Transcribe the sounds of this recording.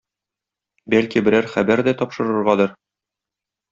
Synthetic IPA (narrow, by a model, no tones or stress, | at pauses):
bælkibɘ̆ɾæɾχæbæɾd̪æt̪ɒpʃɤ̆ɾɤ̆ɾʁɑd̪ɤɾ